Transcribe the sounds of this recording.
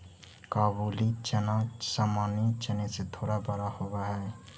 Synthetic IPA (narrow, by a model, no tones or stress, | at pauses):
kaːbuːlit͡ʃənasaːmaːnet͡ʃəneset̪ʰoːɽabəɾahoɡaɦɛː